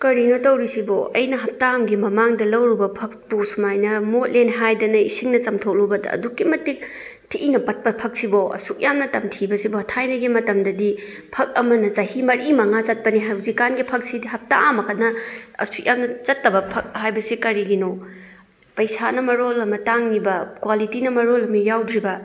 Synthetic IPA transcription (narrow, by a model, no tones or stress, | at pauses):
kɐɾinotɐwɾisibo̰ʔɐjnɐɦɐp̚taːmɡimɐmaŋdɐlɐwɾubɐpʰɐk̚pusumajnɐmot̚lenɦajdɐnɐḭsiŋnɐt͡ʃɐmtʰok̚lubɐdɐ̰ːdukːimɐtik̚ | tʰiʔinɐpɐt̚pɐpʰɐk̚siboɐ̰suk̚jamnɐtɐmtʰibɐsibɔɐtʰajnɐɡimɐtɐmdɐdi | pʰɐk̚ɐmɐnɐt͡ʃɐhimɐɾʔimɐŋat͡ʃɐt̚pɐniɦazikanɡipʰɐk̚sidiɦɐp̚taʔamɐkʰɐt̚nɐɐ̰suk̚jamnɐt͡ʃɐtːɐbɐpʰɐk̚ɦajbɐsikɐɾiɡino | pɐjsanɐmɐɾolɐmɐtaŋnibɐkwalitinɐmɐɾolɐmɐjawdɾibɐ